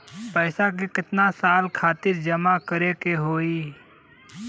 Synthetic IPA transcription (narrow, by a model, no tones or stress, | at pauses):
pɛːsakekɪt̪nasaːlkʰaːt̪ɪɾd͡ʒəmakəɾekeɦoːiː